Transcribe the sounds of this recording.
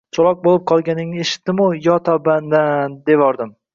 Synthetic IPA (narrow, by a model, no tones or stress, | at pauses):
t͡ʃʰɒlˠɒk̚bolɪp̚qʰɒlˠɡʲanɪŋeʃɪ̥t̪d̪ɪmʊjɒt̪ʰɒband̪and̪evɒɾd̪ɪm